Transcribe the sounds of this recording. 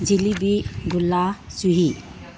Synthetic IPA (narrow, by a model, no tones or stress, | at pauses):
d͡ʒilibiɡulːasuɦi